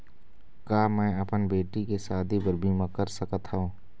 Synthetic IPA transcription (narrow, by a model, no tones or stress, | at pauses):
kaːmɛ̃ːɐpənbeːʈikesaːd̪ʱibəɾbʱiːmãkəɾsəkət̪ɦaõː